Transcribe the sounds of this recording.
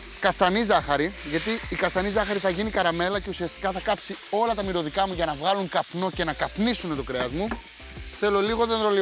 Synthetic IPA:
kɐst̪ɐnizɐxɐɾiʝɐt̪iːkɐst̪ɐnizɐxɐɾiθɐʝinikɐɾɐme̞lɐce̞usiɐst̪i̥kɐθɐkɐpsio̞lɐt̪ɐmiɾo̞ðikɐmuʝɐnɐvɣɐluŋkɐpno̞ce̞nɐkɐpnisune̞t̪okɾeɐzmu | θe̞lo̞liɣo̞ðenɾo̞li

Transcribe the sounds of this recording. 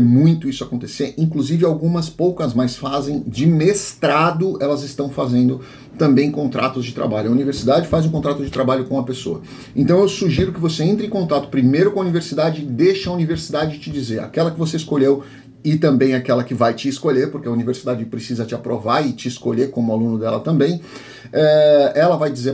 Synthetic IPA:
mũj̃t̪ʊisʊakõnt̪eseɾĩkluzivɪawɡũmɐspowkɐzmajsfazẽj̃d͡ʒɪmest̪ɾad̪ʊɛlɐzɪst̪ɐ̃w̃fazẽnd̪ʊ | t̪ɐ̃mbẽj̃kõnt̪ɾʔa̰t̪ʊzd͡ʒɪt̪ɾa̰baʎʊɐuniveɾsid̪ad͡ʒɪfazũk̬õnt̪ɾat̪ʊd͡ʒɪt̪ɾabaʎʊkõw̃ɐpesoɐ | ẽnt̪ɐ̃w̃ewsuʒiɾʊkɪvoseẽnt̪ɾɐẽkõnt̪at̪ʊ̥pɾimejɾʊkõuniveɾsid̪ad͡ʒɪɪd̪ejʃɐuniveɾsid̪ad͡ʒɪt͡ʃɪd͡ʒizeɾa̰kɛlɐkɪvoseɪskoʎew | ɪt̪ɐ̃mbẽj̃akɛlɐkɪvajt͡ʃɪːskoʎeɾpoɾkeɐuniveɾsid̪ad͡ʒɪpɾesizɐt͡ʃɪapɾʔovaɾɪt͡ʃɪːskoʎeɾkõmʊalũnʊd̪ɛlɐt̪ɐ̃mbẽj̃ | ɛɛlɐvajd͡ʒize

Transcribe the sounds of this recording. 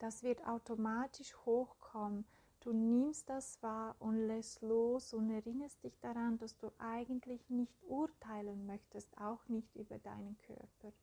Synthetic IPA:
d̥asv̥ɪɐta̰ʊtomaːtɪʃhoːxkʰɔmən | d̥uːnɪmstd̥asv̥aːʔʊntlɛstloːsʊntɛɐʁɪnəstd̥ɪçd̥aʁand̥asd̥uːʔaɪɡən̩tʰlɪçnɪçtʔʊɐtʰaɪlənmœçtəstaʊxnɪçtʔyːbɐda̰ɪnənkʰœ̰ɐpɐ

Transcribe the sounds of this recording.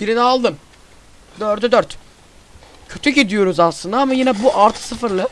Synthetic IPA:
biɾinialˠd̪ɯm | d̪øɾd̪ɛd̪øɾt̪ | cʰø̞t̪ʰycid̪ijo̞ɾuzaslˠɯnd̪aamajinɛbuʔaɾt̪ʰɯ̥sɯfɯɾlˠɯ

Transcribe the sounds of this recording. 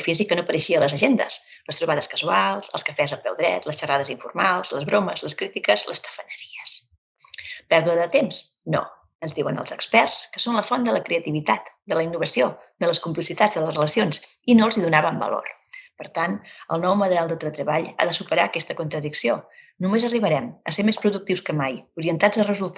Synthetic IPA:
əfizikːənopəɾəʃiələzəʒend̪ə̰s | ləst̪ɾuβað̞əskəzualˠzə̰lˠskəfɛzəpɛ̰wðɾɛ̰t̪ləsʃəraðəziɱfṵrmalˠzləzβɾoməzləskɾit̪ikəzlə̰st̪ə̥fənəɾiəs | pɛɾðuəðət̪emsno̰ | ənzðiwənə̰lˠzəkspɛrskəsonləfɔnd̪ələkɾeət̪iβit̪at̪d̪ələinːuβəsiod̪ələskumplisit̪ad͡zd̪ələsrələsionsinoəlˠziðunaβəmbə̰lo̰r | pəɾt̪anə̰lˠnɔwməðəɾalˠd̪ət̪ələt̪ɾəβaʎa̰ðəsupəɾaəkɛst̪əkunt̪ɾəðiksio | numezəriβ̞əɾɛməsemespɾuðuk̚t̪iwskəmajuɾiənt̪ad͡zərəzulˠt̪

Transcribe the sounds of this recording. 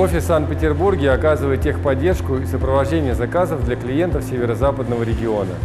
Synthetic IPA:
ofʲɪsːant̪̚pʲɪtʲɪrburɡʲɪɐkazɨvəjɪt̪ixpɐdʲːe̞rʂkʊisəpɾəvɐʐdʲenʲɪjəzɐkazəvd̪lʲəklʲɪje̞nt̪əfsʲevʲɪɾəzapəd̪nəvəɾʲɪɡʲɪo̞nə̰

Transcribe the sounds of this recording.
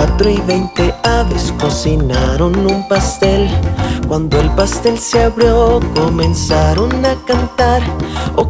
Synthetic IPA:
at̪ɾoiβejnt̪eaβesko̞sinaɾo̞numpast̪e̞lkwand̪oelpast̪e̞lseaβɾjokomẽnsaɾonakant̪aɾo

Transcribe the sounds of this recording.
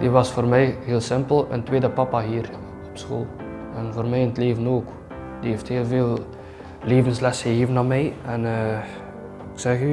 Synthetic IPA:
diʋɑsfoːrmɛjɦeːlˠsɪmpəlˠə̰ntweːdəpɑpaɦiːr | ɔpsxo̰ːlˠ | ɛnvoːrmɛjənətleːvənoːk | d̥ieːftheːlˠveːlˠ | leːvənslɛsəɦeːvənaːmɛjɛnː | ɪksɛxy

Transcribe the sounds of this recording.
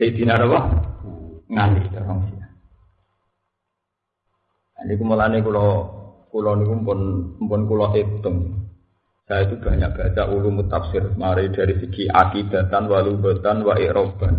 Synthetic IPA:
t̪ed̪̥i̤naɾapɔ | ŋanḭd̪̥aɾɔŋsia | janikuməlanekulɔkulɔnikumpʊnmpʊnkulɔʔet̪əŋ | sajait̪̬ub̥ä̤ɲa̰k̚b̥a̤t͡ʃaʔulumut̪apsɪrmaɾed̪̥a̤ɾisiɡiʔa̰kid̪̥a̤t̪anwalumba̤t̪anwaʔeʔɾob̥a̤n

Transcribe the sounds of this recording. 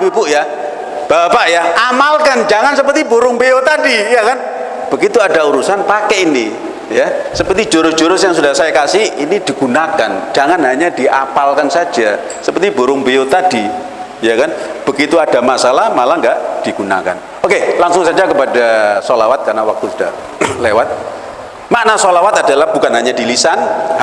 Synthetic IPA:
pipuʔja | b̥apaʔjaʔamalkand͡ʒaŋansəpərt̪iboɾʊŋbejot̪adijakan | b̥əɡit̪uadauɾusanpakɛini | jasəpərt̪i̥d͡ʒoɾʊ̥d͡ʒ̥oɾʊsjaŋsudahsajakasɪhinid̥i̤ɡunakand͡ʒ̥aŋanɦaɲad̥iʔapalkansḁd͡ʒa | səpərt̪iboɾʊŋbejot̪ad̥i | jakanb̥ə̤ɡit̪uad̥a̤masalahmalaŋɡaʔd̥iɡ̥una̰ka̰n | okelaŋsʊŋsad͡ʒakəpadasolawat̪̚karnawak̚t̪usu̥d̥ah | lewat̪̚ | maʔnasolawat̪ad̥alahb̥ukanɦaɲadilisan

